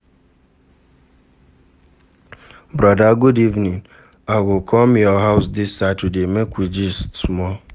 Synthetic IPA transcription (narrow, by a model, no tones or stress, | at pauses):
bɾɔdaɡudivnĩn | aɡʊkʰɔmjɔɦaʊsdɪsːatədemekʷid͡ʒissmɔ